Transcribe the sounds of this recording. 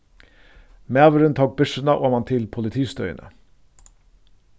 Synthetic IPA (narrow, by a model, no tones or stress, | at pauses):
meːʋəɾənt̪ʰɑːk̚bʉʂənəʔoːmɑnt̪ʰɪlpʰʊlɪt̪ʰiːst̪œ̰ʏə̰nʔə̰